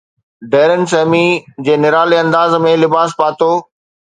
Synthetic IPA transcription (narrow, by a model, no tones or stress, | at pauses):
ɖɛːɾən̆s̬ɛːmid͡ʑeːnɪɾaːleɐ̃nd̪aːzmẽlɪbaːspaːt̪oː